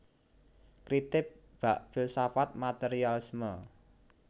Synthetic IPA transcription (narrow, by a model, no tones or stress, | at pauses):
kɾit̪ɪp̚ | b̥aʔfilsafat̪̚mat̪eɾialɪsmə